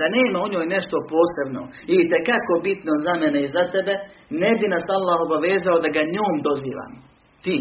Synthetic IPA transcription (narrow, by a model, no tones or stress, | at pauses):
d̪aneːmaoɲo̞ːjne̞ʃt̪o̞po̞ːse̞bno̰ | iit̪ekako̞bit̪nozameneizat̪ebenebinasalːaːɦo̞baʋeːzaod̪aɡaɲoːmd̪o̞zḭːʋa̰ːm | t̪iː